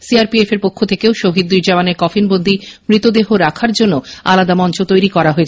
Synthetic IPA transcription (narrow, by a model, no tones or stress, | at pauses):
siaɾpiefeɾpokʰːot̪ʰekeoʃoɦid̪̚ːujɾd͡ʑamaneɾkɔfʰinbond̪ʱimɾit̪od̪eɦoɾakʰaɾd͡ʑonːoa̰lad̪amɔnt͡ɕot̪ojɾikɔɾaɦoet͡ɕʰ